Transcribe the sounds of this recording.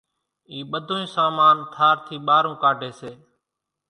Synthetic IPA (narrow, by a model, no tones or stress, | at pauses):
iːɓəd̪ʱoːĩːsaːmaːnt̪ʰaːɾt̪ʰiːɓaːɾũːkaːɖʱeːseː